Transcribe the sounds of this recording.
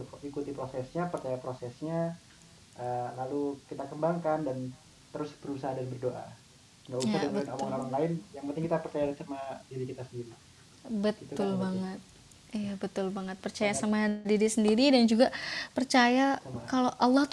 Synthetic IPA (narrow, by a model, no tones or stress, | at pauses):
ikut̪ipɾosɛsɲapərt͡ʃajapɾosɛsɲa | ʔəlalukit̪akəmbaŋkandan | t̪əɾʊsbəɾusaɦadanbərdoʔa̰ | ŋɡauadəɾnomaŋnamanlaɪnjaŋpənt̪ɪŋkit̪apərt͡ʃajasamadiɾikit̪asəndiɾi | bətit̪uʊlbaŋŋət̪̚ | ijabət̪ʊlbaŋət̪̚pərt͡ʃajasamaɦdiɾisəndiɾidand͡ʒuɡapərt͡ʃajaamakaloʔalːɑht̪